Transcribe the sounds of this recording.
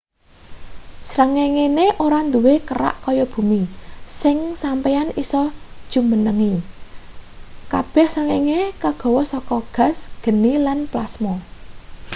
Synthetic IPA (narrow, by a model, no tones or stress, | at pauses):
sɾəŋeŋeneʔoɾand̪uwekəra̰ʔkɔjɔb̥ṳmisɪŋsampɛanisɔd̥ʒ̥umənəŋi | kab̥ɛ̤hsrəŋeŋekaɡ̥ɔ̤wɔsɔkɔɡ̥a̤sɡ̥ə̤nilanplasmɔ